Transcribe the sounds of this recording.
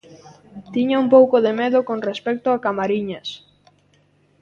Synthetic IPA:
t̪iɲaumpowkʊðemeðʊkonrespɛk̚t̪ʊakamaɾiɲas

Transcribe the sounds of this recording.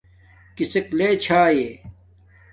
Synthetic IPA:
kisekleːt͡ɕʰaːjeː

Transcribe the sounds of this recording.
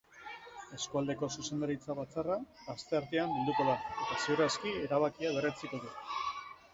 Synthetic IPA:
e̞skuald̪e̞ko̞suse̞nd̪aɾit͡saβ̞at͡sara | ast̪e̞aɾt̪eammeld̪uko̞ðae̞t̪aseuɾaskie̞ɾaβakiaβe̞ret͡siko̞ðu

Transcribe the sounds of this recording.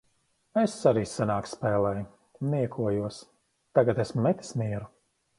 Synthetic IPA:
esaɾiːsanaːkspɛːlˠɛj | niɛkʰuɔjuɔs | t̪aɡat̪esmmɛt̪ʲi̥smiɛɾu

